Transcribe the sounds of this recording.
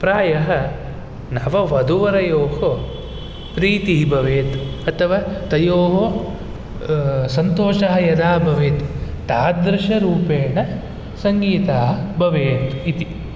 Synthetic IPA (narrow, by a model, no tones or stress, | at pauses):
pɾaːjɐɦɐ | nɐʋɐʋɐd̪uʋɐɾɐjoːɦo | pɾiːt̪iɦibʱɐʋeːt̪uɐt̪ʰɐʋaːt̪ɐjoːɦo | sɐnt̪oːʃɐɦɐjɐd̪aːbʱɐʋeːt̪u̥ | t̪aːd̪ɾɪʃɐɾuːpeːɳɐ | sɐŋɡiːt̪aːɦɐbʱɐʋeːt̪u̥it̪i